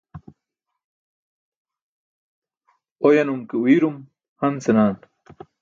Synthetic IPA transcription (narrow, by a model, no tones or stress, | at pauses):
ojɐnumkewiɾum | hɐnsenaːn